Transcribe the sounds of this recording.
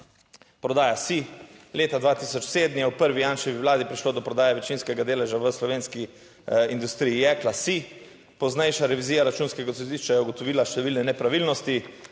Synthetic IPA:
pɾɔd̪aːjasileːt̪ad̪ʋaːt̪isɔt͡ʃseːd̪nijɛwpəɾʋijaːnʃɛʋiʋlaːd̪ipɾiʃloːd̪ɔpɾɔd̪aːjɛʋɛt͡ʃinskɛɡad̪eːlɛʒaʋəslɔʋeːnski | ind̪ust̪ɾijiɛklasi | pɔznɛjʃaɾɛʋiziːjaɾat͡ʃuːnskɛɡasɔd̪iʃt͡ʃajɛuɡɔt̪ɔʋiːlaʃt̪ɛʋiːlnɛnɛpɾaʋiːlnɔst̪i

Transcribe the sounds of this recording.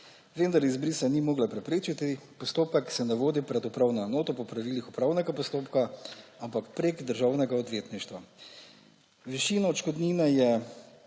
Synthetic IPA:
ʋend̪aɾizbɾisanimoːɡlapɾɛpɾeːt͡ʃit̪ipɔst̪oːpɛksɛnaʋoːd̪ipɾɛd̪ɔpɾawnɔnoːt̪ɔpɔpɾaʋiːlixupɾaːwnɛɡapɔst̪oːpkaampakpɾeːɡd̪əɾʒaːwnɛɡaɔd̪ʋeːt̪niʃt̪ʋa | ʋiʃiːnɔːt͡ʃkɔd̪niːnɛjɛ

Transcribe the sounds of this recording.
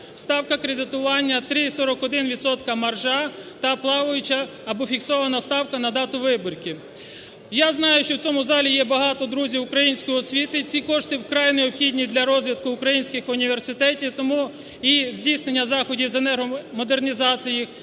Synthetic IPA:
st̪ɑwkɐkɾed̪ɪt̪ʊʋɑnʲːɐt̪ɾisɔɾɔkɔd̪ɪnʋʲid̪sɔt̪kɐmɐrʒɑt̪ɐplˠɑʋʊjʊt͡ʃɐː | bɔfʲiksɔʋɐnɐst̪ɑwkɐnɐd̪ɑt̪ʊʋɪbɔrʲkɪ | jaznɑjʊʃt͡ʃɔwt͡sʲɔmʊzɑlʲijɛbɐɦɑt̪ɔd̪ɾuzʲiʊkɾɐjinʲsʲkɔjiɔsʲʋʲit̪ɪt͡sʲikɔʃt̪ɪwkɾɑjneɔpxʲidʲnʲid̪lʲɐɾɔzʲʋʲid̪kʊːkɾɐjinʲsʲkɪxʊnʲiʋersɪt̪ɛtʲiwt̪ɔmu | izʲdʲijsnenʲːɐzɑxɔdʲiwzenɛrɦɔmɔd̪e̞rnʲizɑt͡sʲiji

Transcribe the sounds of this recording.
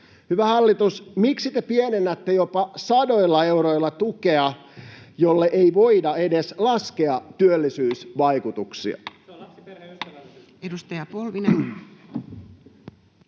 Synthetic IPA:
hyʋæhɑlːit̪usmiksit̪epienenːæt̪ːejopɑsɑdoilːɑe̞uɾoilːɑt̪ukeɑjolːeʔeiʋo̞idɑedeslɑskeɑt̪yølːisyːsʋɑikut̪uksḭɑ̰ | edust̪ɑjɑpolʋine

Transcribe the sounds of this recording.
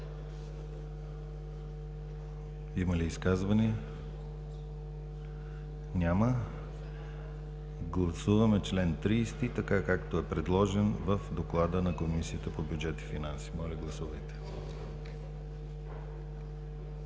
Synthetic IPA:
iməliːskazvɐniɛ | nʲamə | ɡlˠɐsuvɐmɛt͡ʃlɛnt̪ɾiːst̪it̪ɐkakakt̪oɛpɾɛd̪lˠɔʒɛnvəfd̪oklˠad̪ənɐkomisiət̪əpobjud͡ʒɛt̪i̥finansi̥mɔlʲɐɡlˠɐsuvəjt̪ɛ̥

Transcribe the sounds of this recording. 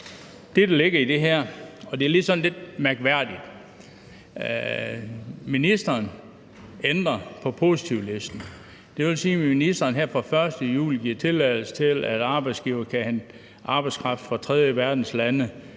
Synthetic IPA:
d̥e̝d̥æle̝ɡ̥ɐid̥e̝ɦæɐ̰ɒ̽d̥e̝æɐle̝d̥sɒ̽n̩le̝d̥̚mæɐɡ̥ʋæɐ̰d̥id̥ | minisd̥ɐːn | end̥ʁɐpʰɒ̽pʰo̝si̥t͡sʰiʊlesd̥n̩ | d̥e̝ʋe̝lsiːinisd̥ɐːnɦæɐ̰fɑfɶɐsd̥əjṵːliɡ̥iɐ̰t͡sʰe̝lɛɪl̩sə̥t͡sʰe̝læd̥ɑ̈ːb̥ɑ̈ɪd̥sɡ̥iːʊɐkʰæhæn | ʔɑ̈b̥ɑɪ̥skʰʁɑ̈fd̥fɑt͡sʰʁɛð̞ˠjəʋæɐd̥n̩slænə

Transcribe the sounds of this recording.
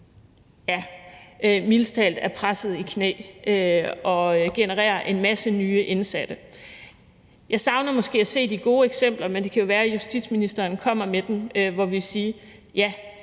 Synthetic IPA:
jæʔømilˠst͡sʰɛ̰ːld̥æɐpʰʁasð̞̩ˠikʰnḛːʔøɒ̽ɡ̥e̝nəʁḛːɐʔe̝nmæsənyːəʔe̝nsæd̥ə | jɑ̈ɪsɑ̈ʊnɐmɒ̽sɡ̥e̝̰ːæse̝̰ːd̥iɡ̥o̝ːeɡ̥sem̰b̥lɐmend̥e̝kʰæjo̝ʋæːɐjusd̥id̥sminisd̥ɐːnkʰɒ̽m̰ɐmed̥emøʋɒʋisiːjæ

